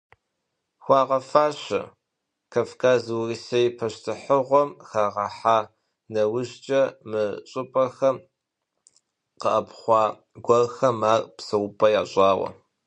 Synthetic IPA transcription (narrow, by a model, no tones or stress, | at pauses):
xʷɑːʁɐfaːɕɐ̰ | kʰɐfkʰaːzwriːsɐjpʰɐɕtʰɨħəʁʷɔmxaːʁɐħaː | nɐwʊʒt͡ʃʼɐmɨɕʼɨpʼɐxɐm | qəʔɐpχʷɑː | ɡʷɐrxɐmaːrpsɐwʊpʰʼɐjaːɕʼɑːwɐ̰